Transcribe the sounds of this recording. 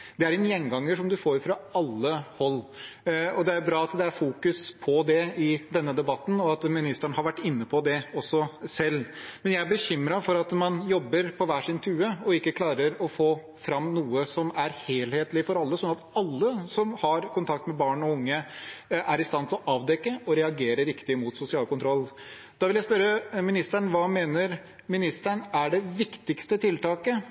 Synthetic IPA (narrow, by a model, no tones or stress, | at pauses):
d̪ɛæɾɛnjɛnɡɑŋːəʂɔmd̪ʉfoːɾfɾɑɑlːəhɔlː | ɔd̪ɛæɾbɾɑːɑt̪d̪ɛæɾfuːkʉspʰɔd̪ɛɪd̪ɛnːəd̪ɛbɑt̪ːn̩ɔɑt̪mɪnɪst̪əɳəhɑɾʋæʈːɪnːəpʰɔd̪ɛɔsːɔsɛlːmɛnjæɪæɾbəçʏmɾɑfɔɾɑt̪mɑnjɔbːəɾpʰɔʋæːʂɪnt̪ʰʉːəɔɪkːəkʰlɑːɾəɾɔfoː | fɾɑmːnuːəsɔmæɾheːlheːt̪lɪfɔɾɑlːəsɔnɑt̪ɑlːəsɔmhɑɾkʰʊnt̪ʰɑk̚t̪mɛbɑːɳɔʊŋːəʔæɾɪst̪ɑnt̪ʰɪlɔʔɑːʋd̪ɛkːəʔɔɾɛɑɡeːɾəɾɪkt̪ɪmʊt̪sʊsɪɑːlkʊnt̪ʰɾɔlː | d̪̥ɑʋɪljæɪspœɾəmɪnɪst̪æɳʋɑːmeːnəɾ | mɪnɪst̪æɳæɖɛʋɪkt̪ɪkst̪ət̪ʰɪlt̪ɑːkə